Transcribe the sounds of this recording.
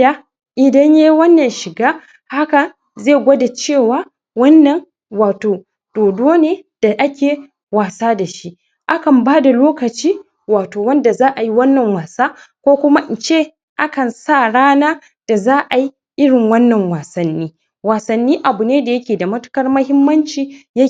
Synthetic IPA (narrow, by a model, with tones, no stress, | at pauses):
a˦ | ʔɪ˨dɐ˦ɲja˦jwɐ˦nːɐ˨nʃɪ˨ɡaː˦ | ha˦kɐ˨ | zeː˦˨ɡʷɐ˦da˨t͡ʃeː˦˨waː˦ | wɐ˦nːɐ˨n | waː˨toː˨ | d̥oː˨doː˦neː˦d̥a˨ʔa˦kʲeː˨ | waː˨saː˦da˨ʃi˦ʔ | ʔa˦kɐ˨mbaː˦da˨loː˦kɐ˨t͡ʃiː˦ | waː˨toː˨wɐ˦nda˨zaː˦ʔa˨ji˦wɐ˦nːɐ˨ŋwaː˨saː˦ | kʷoː˦kʷʊ˦ma˦ʔɪ˨nt͡ʃeː˦ | ʔa˦kɐ˨nsa˦˨ɽaː˦naː˦ | d̥a˨zaː˦ʔa˨ji˦ | ʔɪ˦ɽɪ˨ŋwɐ˦nːɐ˨ŋwaː˨sɐ˨nːiː˦ | waː˨sɐ˨nːiː˦ʔa˨bu˨neː˦da˨jɐ˦kʲeː˨da˨mɐ˦tʊ̥˦kɐ˦rmɐ˦hɪ˦mːɐ˦nt͡ʃiː˦ja˦